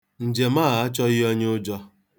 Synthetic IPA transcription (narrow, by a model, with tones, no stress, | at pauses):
n̩˨d͡ʒe˨maː˦˨a˦t͡ʃɔ˦ɣɪ˦ɔ˦ɲ˦ʊ˦d͡ʒɔ˦